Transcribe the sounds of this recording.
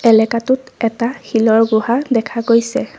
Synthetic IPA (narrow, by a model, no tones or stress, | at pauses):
ɛlɛkatʊtɛtaxilɔɹɡuɦadɛkʰaɡojsɛ